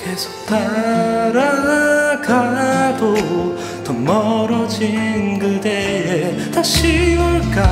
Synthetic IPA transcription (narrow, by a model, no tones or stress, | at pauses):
kesʰo̥k̚t̪aɾa | ɡad̪o | t̪ʌmʌɾʌd͡ʑinɡɯd̪eɦe | t̪aɕioɭka